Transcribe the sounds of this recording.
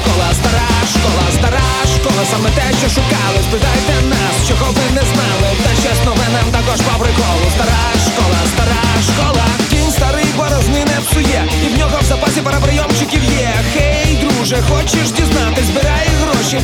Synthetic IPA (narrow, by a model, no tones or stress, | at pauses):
kɔlˠɐst̪ɐɾajɐʃkɔlˠɐst̪ɐɾaɐʃkɔlˠɐsamɛt̪ɛʃt͡ʃɔʃʊkalˠɪspɪt̪ajɛt̪ɛnast͡ʃɔɣɔʋɪnɛznalˠɪt̪ɐt͡ʃɛsnɔʋɛnamt̪akɔʒpɐbɾɪkɔlˠʊst̪ɐɾajʃkɔlˠɐst̪ɐɾaʃkɔlˠɐt̪ʲinʲst̪ɐɾɪjbɔɾɐznɪnɛɐwsʊjɛ | iwnʲɔɦɔwzɐpasʲipɐɾɐpɾɪjɔmt͡ʃɪkʲiwjɛxɛjd̪ɾuʒɛxɔt͡ʃɪʃdʲiznat̪ɪzʲbɪɾajɛɦɾɔʃi